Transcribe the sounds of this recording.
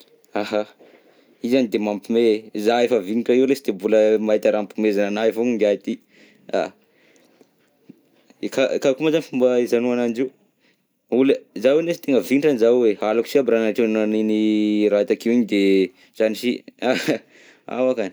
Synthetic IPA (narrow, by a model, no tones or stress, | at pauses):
aɦa | izanid̪emampimeezaefəviniʈ͡ʂaiwlesid̪̥embuləmaɦit̪aɾampimezananaivoɲind̪iait̪i | a̰ | kakakumazanifumbaizanuanand͡ʒiw | ulezawenesi̥t̪eŋɡəvinʈ͡ʂanizawealakusiabɾanaʈ͡ʂennaniniɾait̪akiwiɲid̪e | z̥anisia | a̰wakani